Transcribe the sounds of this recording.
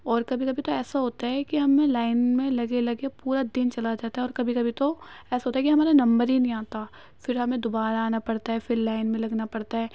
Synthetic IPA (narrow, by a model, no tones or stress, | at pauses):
ɔːɾkɐbʱikɐbʱit̪oɛːsaɦoːt̪aɦɛkiɦɐmẽlaːɪnmẽlɐɡelɐɡepuːɾad̪ɪnt͡ʃɐlad͡ʒaːt̪aɦɛɔːɾkɐbʱikɐbʱit̪oɛːsaɦoːt̪aɦɛkiɦɐmaːɾenɐ̃mbəɾinɐɦĩaːt̪a | fɪɾɦɐmẽd̪obaːɾaːnapɐɽt̪aɦɛfɪɾlaːɪnmẽlɐɡnapɐɽt̪aɦɛː